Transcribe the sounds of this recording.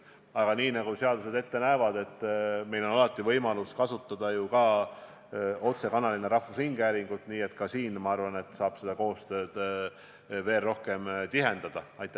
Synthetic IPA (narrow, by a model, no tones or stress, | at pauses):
ɑɡ̥ɑniːnɑɡ̥use̞ɑd̪use̞d̪e̞t̪ːe̞næevɑd̪̥e̞t̪ːˑme̞jlo̞nɑlɑt̪ːˑivɤ̞jmɑluskɑsut̪ːˑɑd̪̥ɑjukɑ | o̞t̪se̞kɑnɑlineɾɑhvushiŋɡ̥æːɾiŋɡ̥ut̪ˑniːe̞t̪kɑsiːnmɑɑrvɑne̞t̪ːˑsɑːb̥se̞d̪̥ɑko̞ːst̪ø̞ːd̪̥ | ve̞ːlro̞hke̞mt̪iɦe̞nd̪̥ɑd̪̥ɑɑjt̪ːˑe